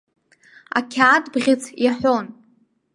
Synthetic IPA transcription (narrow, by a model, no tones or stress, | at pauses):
a̰kʲʰaːdbʁʲɪt͡sʰjaħʷon